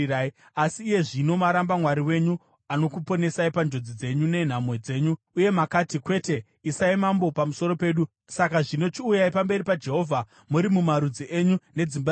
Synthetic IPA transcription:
ai | asiːje̞ʐino̞maɾambamwaɾiwe̞ɲu | ano̞kupo̞ne̞saipand͡ʒo̞d͡zid͡ze̞ɲune̞n̤amwe̞d͡ze̞ːɲuːje̞makatikwe̞te̞ | isaimambo̞pamuso̞ɾo̞pe̞ːɗu | sakaʐino̞t͡ʃiujaipambe̞ɾipad͡ʒe̞ɦo̞ːvʱa | muɾimumaɾud͡ziʔe̞ɲune̞d͡zimba

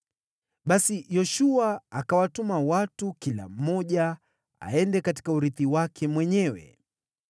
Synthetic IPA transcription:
ɓasijɔʃuaːkawatumawatukila̰m̩ːɔʄa | a̰ɛndɛkati̥kauɾiθiwakʰɛmwɛɲɛwɛ̰

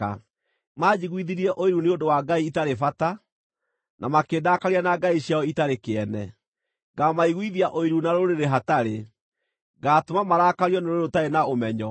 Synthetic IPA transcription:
a | mad͡ʑiɣwiðiɾiɛʔoiɾuneondowaɡaiːtaɾefata | nʔamakeːdaːkaɾianaɡaiɕjaɔitaɾekeɛnɛ | ɡamaiɣwiðiaʔoiɾunaɾoɾeɾeɦataɾe | ɡaːtomamaɾaːkaɾiɔneɾooɾotaenaomɛɲɔ

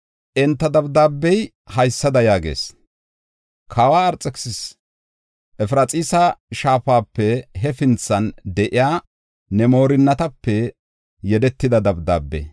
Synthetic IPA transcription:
ʔɛnt̪ːɐd̪ɐbd̪aːbːɛj | hɐjsːɐd̪ɐjaːɡḛːs | kʰaːwaːɾt͡sʼːɛksɪs | ʔɛfɾɐt͡sʼiːsɐʃaːfaːpːɛɦɛfɪnt͡sːɐnd̪ɛʔɪjaː | nɛmo̞ːɾɪnːɐt̪ɐpːɛ | jɛd̪ɛt̪ːɪd̪ɐd̪ɐbd̪a̰ːbːɛ̰

